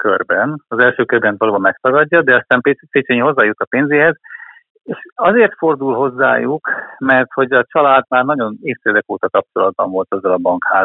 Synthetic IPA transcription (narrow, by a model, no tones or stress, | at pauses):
kørbɛnɒzɛlʃøːkørbɛnt̪vɒloːbɒmːɛkt̪ɒɡɒɟːɒd̪ɛɒst̪aːmpefeːt͡ʃeɲho̞zːaːjut̪ɒpeːnzeːɦɛz | eːʃɒzeːrt̪fo̞rd̪ulɦo̞zːa̰ːjukmɛrt̪ho̞ɟɒt͡ʃɒlaːd̪maːrnɒɟo̞neːfsɛd̪ɛkoːt̪ɒkɒp̚t͡ʃo̞lɒd̪̚bɒ̰ɱvo̞lt̪ɒzːɒlɒbɒŋkhaː